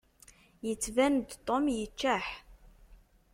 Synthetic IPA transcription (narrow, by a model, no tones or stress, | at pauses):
jət͡sːvænd̪t̪ˤːomjət͡ʃːæħ